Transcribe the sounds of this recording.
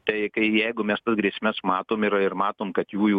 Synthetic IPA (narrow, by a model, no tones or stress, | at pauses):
t̪ɐɪkɐɪjɛɪɡʊmʲɛst̪ɐsɡɾʲiɛsʲmʲɛsmɑːt̪oːmɪɾɪrmɑːt̪oːmkɐt̪juːjuː